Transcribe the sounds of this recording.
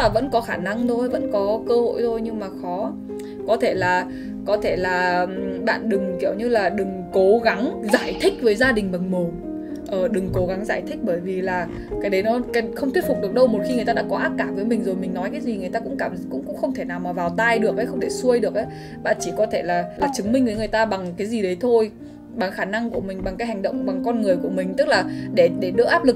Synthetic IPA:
laː˨˩və̰˧˥nkɔ˨˦xaː˧˩na˧ŋt̪o˧jvə̰˧˥nkɔ˨˦kəː˧ho̰˧˨jt̪ʰo˧jɲɨ˧ŋmaː˨˩xɔ˨˦ | kɔ˨˦t̪ʰe˧˩laː˨˩ | kɔ˨˦t̪ʰe˧˩laː˨˩ɓa̰ː˧˨nɗɨ˨˩ŋki˧˩əwɲɨ˧laː˨˩ɗɨ˨˩ŋko˨˦ɣa˨˦ŋzaː˧˩jt̪ʰï˦˥k̟̚vəː˨˦jzaː˧ɗï˨˩ŋ̟ɓə˨˩nmo˨˩ | ʔəː˨˩ɗɨ˨˩ŋko˨˦ɣa˨˦ŋzaː˧˩jt̪ʰï˦˥k̟̚ɓəː˧˩jvi˨˩laː˨˩ | kaː˨˦˥jɗə˨˦jnɔ˨˦ka˨˦xə˧wŋ͡m̪wətfk͡p̚ɗɨ˨˩ək̚ɗə˧wmo˨˩t̚xi˧ŋɨ˨˩ət̪aː˧a̰ː˧˥kɔ˨˦ʔaː˦˥p̚kaː˧˩vəː˨˦jmï˨˩ŋ̟zo˨˩jmï˨˩ŋ̟nɔ˨˦jkaː˨˦jzi˨˩ŋɨ˨˩əjt̪aː˧kʊ̰˧˥ŋ͡mkaː˧˩mkʊ̰˧˥ŋ͡mkʊ̰˧˥ŋ͡mxə˧wŋ͡mt̪ʰe˧˩naː˨˩wmaː˨˩vaː˨˩wt̪aː˧jɗɨ˨˩ək̚ʔə˨˦jxə˧wŋ͡mt̪ʰe˧˩su˧əjɗɨ˨˩ək̚ə˨˦ | ɓa̰ː˧˨nt͡ɕi˧˩kɔ˨˦t̪ʰe˧˩laː˨˩laː˨˩t͡ɕɨ˨˦ŋmï˧ŋ̟vɨː˨˦jŋɨ˨˩əjt̪aː˧ɓa˨˩ŋkaː˨˦jzi˨˩ɗə˨˦jt̪ʰo˧j | ɓa˨˩ŋxaː˧˩na˧ŋku˧˩əmï˨˩ŋ̟ɓa˨˩ŋkaː˨˦jɦa˨˩jŋ̟ɗə̰˧˨wŋ͡mɓa˨˩ŋkɔ˧nŋɨ˨˩əjku˧˩əmï˨˩ŋ̟t̪ɨ˦˥k̚laː˨˩ɗe˧˩ɗe˧˩ɗə̰˧˥ʔaː˦˥p̚lɨ˨˩k̚

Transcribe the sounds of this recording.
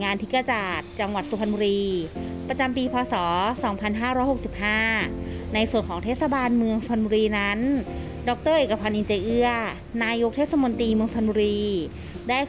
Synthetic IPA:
ŋaː˧nt̪ʰi˦˥ka˧t͡ɕaː˨˩t̪̚t͡ɕa˧ŋwa˨˩t̪̚su˧pʰa˧nbuː˧ɾiː˧ | pɾa˧t͡ɕa˧mpiː˧pʰɔː˧sɔː˩˦sɔː˩˦ŋpʰa˧nɦaː˥˩ɾɔː˦˥jho˨˩k̚si˨˩p̚haː˥˩na˧jsu˨˩ənkʰɔː˩˦ŋt̪ʰeː˥˩t̪̚sa˧˩baː˧nmɯ˧əŋsu˧a˧nbuː˧ɾiː˧na˦˥n | dɔ˨˦˥k̚t̪ɤː˥˩ʔeː˨˩ka˧pʰa˧nʔi˧nt͡ɕa˧jʔɯ˥˩ɐ | naː˧jo˦˥k̚t̪ʰeː˥˩t̪̚sa˧mo˧nt̪iː˧mɯ˧əŋsu˧pʰa˧buː˧ɾiː˧ | daː˥˩j

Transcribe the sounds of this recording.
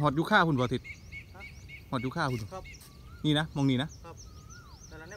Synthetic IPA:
ɦɔː˨˩t̪̚juː˧kʰaː˥˩pʰu˧˨n˨pɔː˨˧t̪ʰi˧t̪̚ | hɔː˨˩t̪̚juː˧kʰaː˥˩pʰu˧˨˧ | niː˧˨na˦˥mɔ˧˨ŋniː˧˨na˦˥

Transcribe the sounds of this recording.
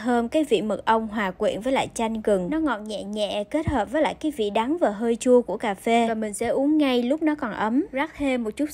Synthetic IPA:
həː˧mkaː˨˦jvḭ˧˨mə˨˩t̚ʔə˧wŋ͡mɦwaː˨˩kwḭ˧˨ənvəː˨˦jla̰ː˧˨jt͡ɕa˧jŋ̟ɣɨ˨˩ŋnɔ˨˦ŋɔ̰˧˩n̚ɲɛ̰˧˨ɲɛ̰˧˨ke˦˥t̚həː˨˩p̚vəː˨˦jla̰ː˧˨jkaː˨˦jvḭ˧˨ɗa˨˦ŋvaː˨˩ɦəː˧jt͡ɕu˧əku˧˩əkaː˧˩fe˧vaː˨˩mï˨˩ŋ̟sɛ̰˧˥ʔu˨˦əŋŋa˧jlʊ˦˥k͡p̚nɔ˨˦kɔ˨˩nʔə˨˦mzaː˦˥k̚t̪ʰe˧mo˨˩t̚t͡ɕu˦˥t̚

